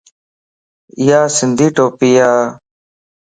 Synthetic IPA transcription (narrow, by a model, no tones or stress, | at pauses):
ɪjaːsɪnd̪ʱiːʈoːpijaː